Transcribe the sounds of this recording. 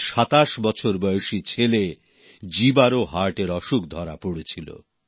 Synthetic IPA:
ʃat̪aʃbɔt͡ɕʰoɾbɔjoʃit͡ɕʰele | d͡ʑibaɾoɦaɾʈeɾɔʃuk̚d̪ʱɔɾapoɽet͡ɕʰilo̰

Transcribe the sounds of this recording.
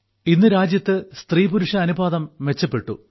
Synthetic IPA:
inːɨɾaːd͡ʑjɐt̪ːɨst̪riːbuɾuʂɐːnubaːðɐmʋe̞t͡ɕːɐpːe̞ʈːṵ

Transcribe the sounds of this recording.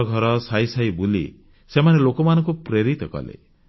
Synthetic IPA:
ɡʱɔɾɔsajsajbulḭ | semanelokɔmanɔŋkupɾeɾit̪ɔkɔ̰lḛ

